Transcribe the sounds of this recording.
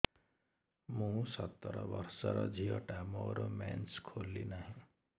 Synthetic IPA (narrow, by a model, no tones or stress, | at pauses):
mũsʌt̪ːʌɾʌ̰bʌɾsʌɾʌd͡zʱiʌʈamoɾomanskʰolːinaɦĩ